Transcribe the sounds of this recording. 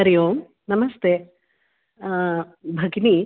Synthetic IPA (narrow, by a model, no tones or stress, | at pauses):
ɐɾɐjoːm | nɐmɐst̪eː | bʱɐɡni